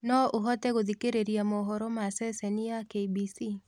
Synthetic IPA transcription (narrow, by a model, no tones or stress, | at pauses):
nɔʔoɦɔtɛɣoðikeɾeɾiamɔɦɔɾɔmasɛsɛniakeibisi